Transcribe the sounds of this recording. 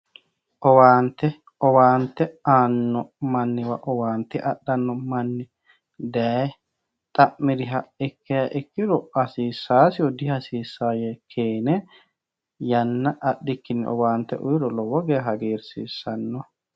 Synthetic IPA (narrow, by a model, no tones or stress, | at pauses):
ʔɔwaːnt̪ːɛ | ɔwaːnt̪ːɛaːnːɔmɐnːɪwɐʔɔwaːnt̪ːɛʔɐɗːɐnːɔmɐnːɪ | d̪ɛ | t̪ʼɐʔːɪɾɪɦɐɪkːɛjɐʔɪkːɪɾɔɐsiːsːaːsɪjɔd̪ɪɐsiːsːaːjɛkʰeːnɛ | jɐnːɐʔɐɗːɪkːɪnɪʔɔ̰waːnt̪ːɛ̰ʔʊjɪɾɔlɔwɔɡɛɦɐɡeːɾsḭːsːɐnːɔ